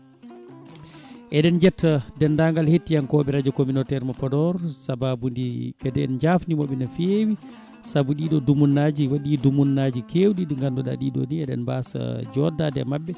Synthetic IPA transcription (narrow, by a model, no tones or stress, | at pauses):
ʔɛɗɛnd͡ʒɛtːadɛndaŋɡalhetːijankɔɓɛɾad͡ʒɔkominɔtɛɾmapɔdɔɾsababundikɛdɛ̰nd͡ʒafnimɔɓɛnafewi | sabuɗiːɗɔdumunːad͡ʒiwaɗidumunːad͡ʒikʰewɗiɗiŋɡandɔɗa̰ɗiɗɔ̰niɛɗɛ̰nbasa̰d͡ʒɔdadɛ̰maɓːɛ